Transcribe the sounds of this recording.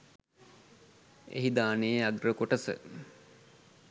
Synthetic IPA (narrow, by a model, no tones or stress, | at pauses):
ḛɦid̪aːneeaɡrəkoʈəsə̰